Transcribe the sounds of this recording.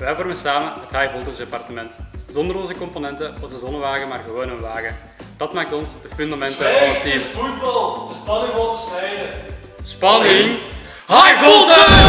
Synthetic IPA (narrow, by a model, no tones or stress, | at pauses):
ʋɛjvɔrmənsaːmənmɛthajvɔlˠtɔnsdepɑrtəmɛntz̥ɔndəɾɔnzəkɔmponɛntəɔzəzɔnəʋaːɣəmaːrɣəʋoːnənʋaːɣə | d̥ɑtmaːk̚tɔnsdəfyndamɛntəstiːfut̚bɑlˠəspɑnɪŋʋɔlˠtəsnɛjdə | spɑnɪŋ | hajɡoɔlˠdə